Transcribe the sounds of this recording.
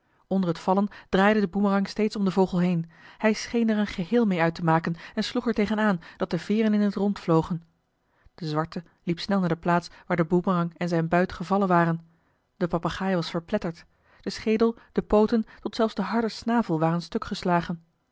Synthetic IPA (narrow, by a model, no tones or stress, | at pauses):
ɔndəɹɦətfɑlənd̥raːjdədəbumərɑŋstejtsɔmdəvowχəlˠɦejnhɛjsχejnɛɹənχəɦɪːlˠmejœɥtəmaːkənɛnsluχɛɹtejχənaːnd̥ɑt̚d̥əvɪːrənɪnətrɔntflowχən | d̥əzʋɑɹtə | lipsnɛlˠnaːdəplaːtsʋaːɹdəbumərɑŋɛnzɛjnbœɥtχəvɑlənʋaːrən | d̥əpɑpaχaːjʋɑsfəɹplɛtəɹt | d̥əsχejdəlˠd̥əpowtəntɔtsɛlˠfzdəɦɑɹdəɹsnaːvəlˠʋaːrənstɵkχəslaːχən